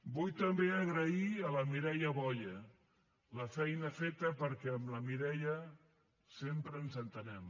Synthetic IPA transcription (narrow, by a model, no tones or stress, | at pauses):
bujt̪əmbeəɣɾəiələmiɾɛʎəβɔʎə | ləfɛjnəfet̪əpəɾkɛəmləmiɾɛʎə | sempɾəːnzənt̪ənɛm